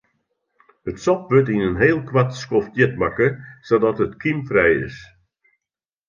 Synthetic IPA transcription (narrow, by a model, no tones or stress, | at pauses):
ətsɔp̚ʋøtinənɦeːlˠkʰwatskoftjɪtmakəsodɔtətkʰimfrɛjɪ̰s